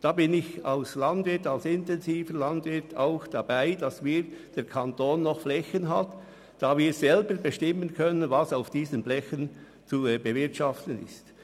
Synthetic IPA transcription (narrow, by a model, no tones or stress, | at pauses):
d̥ɑːbɪnɪçaʊslɑndvɪtɑlsɪntɛnziːfəlɑndvɪtʰaʊxd̥ɑbaɪd̥ɑsviːɾd̥ɛːɾkʰɑntoːnːɔxflɛçənɦɑt | d̥ɑːviːɾz̥ɛlbəɾbəʃtɪmənkʰœnənvɑsaʊfd̥iːzəmblɛçən | t͡subəvɪʁtʃɑftən̩ɪ̰st